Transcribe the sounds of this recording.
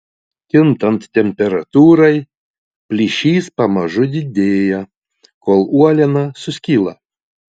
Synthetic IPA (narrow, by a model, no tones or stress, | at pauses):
k̪ʲɪnt̪ɐnt̪t̪ʲɛmʲpʲɛɾɐt̪uːɾɐɪ | pʲlʲiʃʲiːspɐmɐʒʊd̪ʲɪd̪ʲeːjɛ | koːlˠuɔlʲɛnɐsʊsʲkʲiːlˠɐ